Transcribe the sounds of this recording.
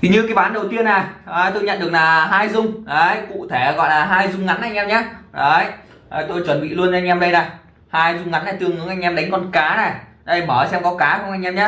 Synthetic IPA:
t̪ʰi˨˩ɲɨ˧kaː˨˦jɓaː˨˦nɗə˨˩wt̪i˧ənːa˨˩ʔəː˨˩t̪o˧jɲə̰˧˨nɗɨ˨˩ək̚naː˨˩ɦaː˧jzʊ˧ŋ͡mɗə˨˦jkṵ˧˨t̪ʰe˧˩ɣɔ̰˧˨jlaː˨˩ɦaː˧jzʊ˧ŋ͡mŋa˨˦nʔa˧jŋ̟ʔɛ˧mɲaː˨˦˥ɗə˨˦j | t̪o˧jt͡ɕwə˨˩nɓḭ˧˨lu˧ənzŋ̟ʔɛ˧mɗə˧jna˨˩ | haː˧jzʊ˧ŋ͡mŋa˨˦na˨˩t̪ɨ˧əŋɨ˨˦əŋʔa˧jŋ̟ʔɛ˧mɗa˨˦jŋ̟kɔ˧nkaː˨˦na˨˩ɗə˨˧˩jməː˧˩˨sɛ˧mkɔ˨˦kaː˨˦xŋ͡mʔa˧jŋʔɛ˧mɲaː˦

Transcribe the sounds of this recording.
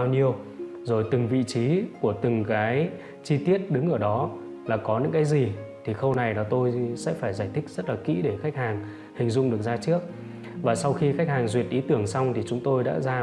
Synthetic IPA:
a˧wɲi˧əw | zo˨˩jt̪ɨ˨˩ŋvḭ˧˨t͡ɕi˨˦ku˧˩ət̪ɨ˨˩ŋkaː˨˦j | t͡ɕi˧t̪i˦˥ət̚ɗɨ˨˦ŋʔəː˧˩ɗɔ˨˦ | laː˨˩kɔ˨˦ɲɨ̰˧˥ŋkaː˨˦jzi˨˩t̪ʰi˨˩xə˧wna˨˩jlaː˨˩t̪o˧jsɛ̰˧˥faː˧˩jzaː˧˩jt̪ʰï˦˥k̚z̥ə˦˥t̚laː˨˩kḭ˧˥ɗe˧˩xa˦˥k̟̚haː˨˩ŋ | hï˨˩ŋ̟zʊ̰˧˨ŋ͡mɗɨ˨˩ək̚zaː˧t͡ɕɨ˦˥ək̚ | vaː˨˩sa˧wxi˧xk̟̚haː˨˩ŋzwi˨˩ət̚ʔi˨˦t̪ɨ˧˩əŋsa˧wŋ͡mt̪ʰi˨˩t͡ɕʊ˨˦ŋ͡mt̪o˧jɗa̰ː˧˥zaː˧

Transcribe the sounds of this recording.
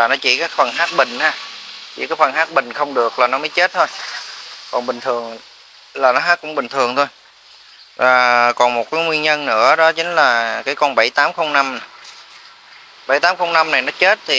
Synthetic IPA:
laː˨˩nɔ˨˦t͡ɕḭ˧˩kaː˦˥k̚fə˨˩nhaː˦˥t̚ɓï˨˩ŋ̟haː˧t͡ɕḭ˧˩kaː˨˦˥kfə˨˩nhaː˦˥t̚ɓï˨˩ŋ̟xə˧wŋ͡mɗɨ˨˩ək̚laː˨˩nɔ˨˦məː˨˦jt͡ɕe˦˥t̚t̪ʰo˧j | kɔ˨˩nɓï˨˩ŋ̟t̪ʰɨ˨˩əŋ | laː˨˩nɔ˨˦ɦaː˦˥t̚kʊ̰˧˥ŋ͡mɓï˨˩ŋ̟t̪ʰɨ˨˩əŋt̪ʰo˧j | vaː˨˩kɔ˨˩nmo˨˩t̚kaː˨˦jŋwi˧ənɲə˧nnɨ̰˧˥əɗɔ˨˦t͡ɕï˨˦ŋ̟laː˨˩kaː˨˦jkɔ˧nɓa˧˩jt̪aː˨˦mxə˧wŋ͡mna˧m˨˩ | ɓa̰˧˩jt̪aː˨˦mxə˧wŋ͡mna˧mna˨˩jnɔ˨˦t͡ɕe˦˥t̚t̪ʰi˨˩

